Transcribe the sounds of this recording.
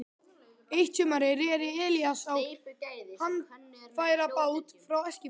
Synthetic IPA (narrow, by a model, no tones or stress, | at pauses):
ejht̪t͡ɕʰœːmaɾejɾɪɛɾɪɛːljasaw | hanfaːjɾapauːt̪fɾawɛscɪ